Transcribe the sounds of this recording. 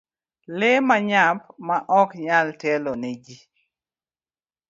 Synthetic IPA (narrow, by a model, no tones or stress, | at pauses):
lemaɲap̚maʔɔkɲaltɛlɔned͡ʒi